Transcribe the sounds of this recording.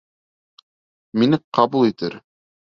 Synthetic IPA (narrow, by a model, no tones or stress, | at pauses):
minɘqɑbulˠit̪ɘɾ